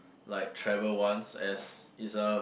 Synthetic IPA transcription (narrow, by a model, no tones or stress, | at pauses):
laɪk̚tʰɹɛvəlwãnsɛsisə